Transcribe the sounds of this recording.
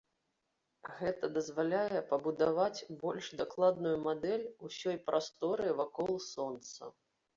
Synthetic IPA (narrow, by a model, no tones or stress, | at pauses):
ɣɛt̪ɐd̪ɐzvalʲajɛpɐbud̪avat͡sʲbɔlʲʂd̪aklˠad̪nujumad̪ɛlʲusʲɔjpɾʔast̪ɔɾɨvakɔlˠsɔnt̪sɐ̰